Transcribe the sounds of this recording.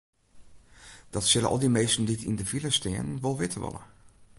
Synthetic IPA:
d̥ɑtsɪlə̰ʔɔ̰lˠdimejstn̩ditʰḭndəviləstɪːənʋɔlˠʋɪtʰəʋɔ̰lˠə̰

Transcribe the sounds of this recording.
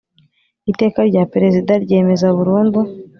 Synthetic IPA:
ite̞ːkaɾɟapeɾe̞zidaɾɟe̞ːme̞zaβuɾuːndu

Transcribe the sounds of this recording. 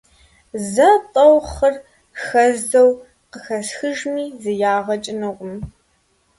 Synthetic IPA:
zɐtʼɐwχɐr | xɐzɐw | qəxɐsxɨʒmiːzɨjaːʁɐt͡ʃʼɪnɨqʷʼʊm

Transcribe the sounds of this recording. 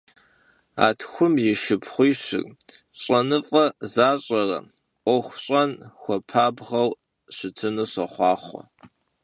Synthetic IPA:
a̰ːtʰxʷʊmjɪʃɪpʰχʷʊjɕɪ̰rʼ | ɕʷʼɐnɨfʼɐzaːɕʼɐrɐ̰ | ʔʷɔxʷɕʼɐnxʷɔpʰaːbʁɐw | ɕɪtʰɨnɨɕɐχʷɑːχʷɔ̰

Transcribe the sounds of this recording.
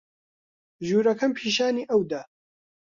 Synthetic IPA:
ʒuːɾɐkʰɐmpʰiːʃaːniːʔɐwd̪ɐ

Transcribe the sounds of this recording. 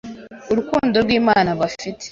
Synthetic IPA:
uɾukuːndo̞ɾɡwiːmaːnaβafite̥

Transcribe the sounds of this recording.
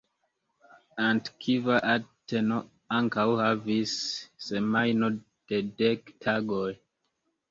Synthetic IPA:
antkʰivaʔatʰeno̞ | aŋkawhavisːemajno | d̥edektʰaɡoj

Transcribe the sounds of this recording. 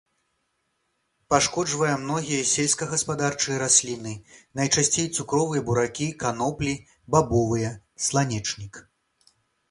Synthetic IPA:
paʂkɔd͡ʐvɐjɐmnɔɣʲijɐsʲɛlʲskɐɣɐspad̪art͡ʂɨjɐɾasʲlʲinɨnɐjt͡ʂasʲt͡sʲejt̪sukɾɔvɨjɐbuɾakʲikanɔplʲi | babɔvɨjɐ | slˠanʲɛt͡ʂnʲik

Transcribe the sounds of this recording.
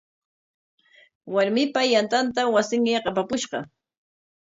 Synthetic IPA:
waɾmɪpajant̪ant̪awasɪŋjɑqɑpakʊʃɢɑ̰

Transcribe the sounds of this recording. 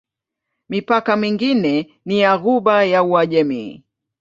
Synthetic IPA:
mipakamiŋɡinɛ | niaɣuɓajauaʄɛmḭ

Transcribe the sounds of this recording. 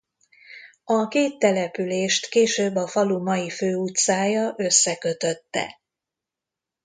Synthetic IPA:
ɒkeːt̪ːɛlɛpyleːʃt̪keːʃøːbːɒfɒlumɒjiføːut̪saːjɒʔø̞sːɛkø̞t̪ø̞t̪ːɛ̰

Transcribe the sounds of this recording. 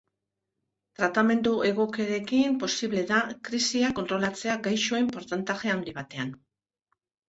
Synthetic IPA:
t̪ɾat̪ame̞nd̪uʔe̞ɣ̞o̞ke̞ɾe̞kimpo̞siβle̞ðakɾisiakont̪ɾo̞lat͡se̞aɡajʃoeimpo̞ɾt̪ant̪aʝe̞awnd̪iβat̪e̞an

